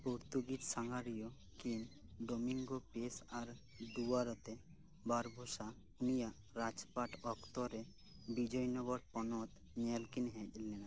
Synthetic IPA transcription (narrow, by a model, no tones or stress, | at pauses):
poɾt̪uɡit̪saŋɡaɾijɔ | kinɖomiŋɡopesaɾ | d̪uaɾɔt̪e | baɾbʱusa | unija | ɾat͡ʃpaʈɔkt̪ɔɾe | bid͡ʒɔjnɔɡɔɾpɔnɔt̪ | ɲɛlkinɦɛ̃d͡ʒlːɛna